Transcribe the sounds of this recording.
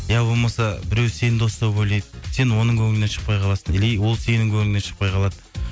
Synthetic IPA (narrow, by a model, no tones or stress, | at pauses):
jæbo̞lˠmɑsɑbɪɾewse̞nɪnd̪o̞st̪ɑwbɵjlejd̪əse̞nwo̞nəɴŋkʲʰɵŋɪne̞nʃə̥q̚pɑjqʰɑlˠɑsənelejwo̞lˠse̞nɪŋkʲʰɵmɪne̞ʃə̥q̚pɑjqɑlˠɑd̪ə